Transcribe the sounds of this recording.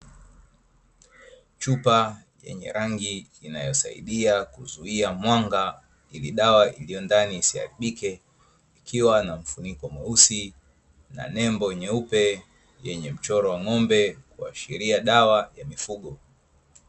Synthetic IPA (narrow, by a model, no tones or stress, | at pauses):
t͡ʃupa | jɛ̰ɲɛ̰ɾaŋɡiː | najɔsa̰ḭɗiakuzuiamwaŋɡa | iliɗawaʔilijɔndaniːsiha̰ɾiɓikɛ | ikʰiwanam̩funikɔamausi | na̰nɛmbɔjɛɲɛupɛ | jɛɲɛm̩t͡ʃɔɾɔwaŋɔmbɛkua̰ʃiɾiaɗawajamifuɠɔ